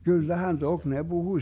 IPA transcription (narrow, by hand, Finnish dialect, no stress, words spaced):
kylːæhæn tok ne b̥uhuĭ